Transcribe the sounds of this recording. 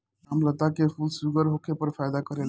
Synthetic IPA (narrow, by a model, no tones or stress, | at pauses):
amlat̪akefʰulsuɡɔɾɦokʰeɾpɔɾfajd̪akɔɾel